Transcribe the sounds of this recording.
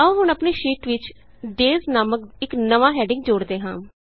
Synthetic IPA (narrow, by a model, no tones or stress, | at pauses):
əũːɦʊnəpneːʃiːʈʋɪt͡ʃ | ɖeːznaːmək̪̚ɪknəʋaːɦɛːɖɪ̃ŋɡd͡ʒoːɽd̪eːɦã̰ː